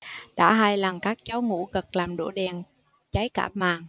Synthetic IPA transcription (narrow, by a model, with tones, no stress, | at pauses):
ɗa̰ː˧˥ɦaː˧jla˨˩ŋkaː˦˥k̚t͡ɕa˨˦wŋṵ˧˥ɣə˨˩k̚laː˨˩mɗṵ˧˩ɗɛ˨˩n | t͡ɕa˨˦jka̰ː˧˩p̚maː˨˩ŋ